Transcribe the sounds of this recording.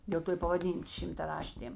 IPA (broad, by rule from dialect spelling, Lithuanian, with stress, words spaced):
dʲeːlˠ ˈtoː ɪ pɐʋɐˈdʲiːn ʃʲɪmtɐˈrɑːʃʲtʲeːm